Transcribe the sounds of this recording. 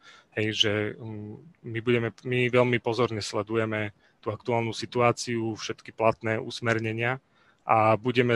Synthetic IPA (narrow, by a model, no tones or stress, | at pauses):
hɛjʒɛ | mibuɟɛmɛmiʋɛʎmipɔzɔɾɲɛslɛd̪ujɛmɛ | t̪uːakt̪uaːlnusit̪uaːt͡siufʃɛt̪kiplat̪nɛːʔṵsmɛɾɲɛɲɪa | ʔabuɟɛmɛ